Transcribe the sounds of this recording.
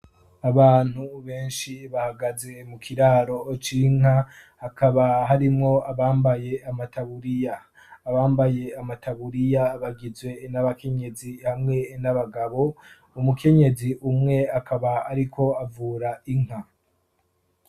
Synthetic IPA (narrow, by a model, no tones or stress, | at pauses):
aβaːn̥huβe̞ːnʃiβahaɡaze̞mukʰiɾaːɾo̞t͡ʃiŋ̥ahakaβaɦaɾimŋo̞aβaːmbaje̞amataβuɾijaː | βaːmbaje̞amataβuɾijaβaɡizwe̞naβakʰe̞ɲe̞zihamŋe̞naβaɡaβo̞ | umukʰe̞ɲe̞ziʔumŋe̞akaβaːɾikʰo̞avuːɾaiŋ̥a